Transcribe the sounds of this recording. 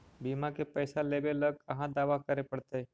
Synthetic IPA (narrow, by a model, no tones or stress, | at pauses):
biːmãkepəːsaleːbeləɡɐɦãd̪aːʋakəɾepəɽt̪e